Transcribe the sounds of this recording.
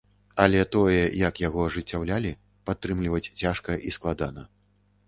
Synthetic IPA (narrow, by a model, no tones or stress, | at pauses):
ɐlʲɛt̪ɔjɛjɐkjaɣɔɐʐɨt͡sʲːawlʲalʲi | pat̪ːɾɨmlʲivɐt͡sʲt͡sʲaʂkɐʔisklˠad̪anɐ